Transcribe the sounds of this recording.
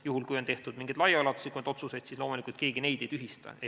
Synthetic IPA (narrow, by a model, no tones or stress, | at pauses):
juhulkujont̪e̞ht̪ud̪̥miŋɡ̥id̪lɑjɑɑlɑt̪ːu̥sikuned̪o̞t̪suse̞jd̪sislo̞ːmulikult̪ke̞ːɡ̥ine̞jd̪̥e̞jt̪yɦist̪ɑ̰e